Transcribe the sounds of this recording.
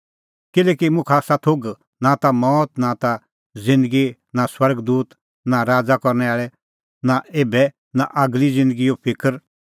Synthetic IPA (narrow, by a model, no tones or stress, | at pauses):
kɪlɛːkimʊ̃kʰasat̪ʰoɡ | nat̪amɔːt̪nat̪a | zɪ̃nd̪əɡi | naswɐɾɡd̪uːt̪ | naɾaːd͡zakɔɾnɛaːɭɛ | naeːbɛ | naʔɐɡlid͡zɪ̃nd̪əɡijopʰɪkəɾ